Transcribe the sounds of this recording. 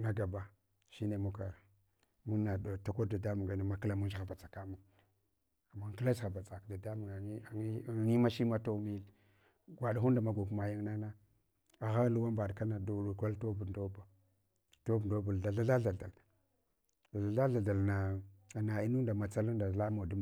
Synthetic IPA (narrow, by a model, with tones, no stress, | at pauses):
na˨ɡa˨ba˨ | ʃi˦ne˨mu˦ka˨ɾ | mu˦a˨dta˦ko˦da˨da˦mu˨ŋɡa˨˦na˨ma˨kla˨mu˦nd͡ʒɣa˨ba˨t͡sḁ˨ka˦mu˦ŋ˨ | mu˨ŋki˦la˦sa˨ba˨t͡sa˨kda˨da˦mu˨ɡa˨˦˨ŋi˦ma˦ʃi˦ma˦to˦mi˦l | ɡʷa˨ɗa˨hu˦nda˨ma˨ɡu˨kma˨ji˦ŋna˦na˦ | a˨ɣa˦lu˦wa˦mba˨dka˦na˨do˨ɾo˨ka˦lto˦bu˨ndo˦ba˨ | to˦bu˨do˦bu˨lda˨ɬa˦ɬa˦ɬa˨a˨l | da˨ɮa˨ɮa˦ɮa˨da˨lna˨na˨i˦nu˦nda˨ma˨t͡sa˦lu˦nda˨la˦mo˨du˦˨